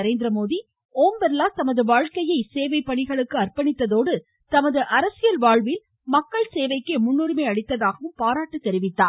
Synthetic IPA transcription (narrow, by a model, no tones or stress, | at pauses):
ɐɾeːnd̪ɪɾɐmoːði | oːmbɐɾlaːt̪ɐmɐðɯʋaːɻkɐjɐɪseːʋɐɪpːɐɳɪɣɐɭɯkːɯɐrpɐɳɪt̪ːɐðoːɽɯ | t̪ɐmɐðɯʔɐɾɐsɪjɐlʋaːɻʋɪl | mɐkːɐɭseːʋɐɪkːemʊɳːuːɾɯmeːɐɽɪt̪ːɐðaːɣɐʋɯmpaːɾaːʈːɯt̪ːɛɾɪʋɪt̪ːaː